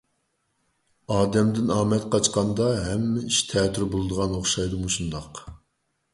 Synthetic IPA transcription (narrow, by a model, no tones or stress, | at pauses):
ɑːd̪ɛmd̪ɪnɑːmɛt̪qɑt͡ʃqɑnd̪ɑɦɛmːɪiʃt̪ʰɛːt̪ʰːyɾbolˠɨd̪əʁɑnoχʃɑjd̪ɨmuʃund̪ɑq